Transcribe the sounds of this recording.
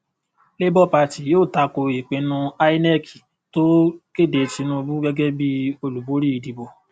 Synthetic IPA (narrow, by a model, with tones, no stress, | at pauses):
le˦bɔ˦˨pa˧˨ti˨joː˦˨ta˧ko˧i˨k͡pẽ˨˧˦nũ˦a˦i˦nɛ˦˨ki̥˨ | to˦ke˦˨de˧˨ti˨˧˦nũ˦˧bu˦ɡɛ˦ɡɛ˦bi˦o˧lu˨bo˨˦ɾi˦i˨˧di˨bo˨